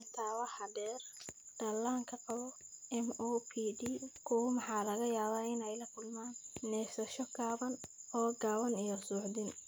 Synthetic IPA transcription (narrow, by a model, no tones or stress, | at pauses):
t̪ʰaːwɑħɑdɛːrɖ̪̥ɐlaːŋkʰɐqɑβɔɛmoːpʰiːɖiːkʰʊwʊmɑħɑːlɐɣɐjaːβaːɪnɛjlɐkʰʊlmaːnːɛːsɐʃɔɡaːβɐnɔːɡaːβɐnijɔsuːħd̪ɪn